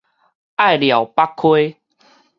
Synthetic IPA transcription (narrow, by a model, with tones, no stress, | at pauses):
ʔa˥˨jlja˨˩wpa˦˥kʰːwe˦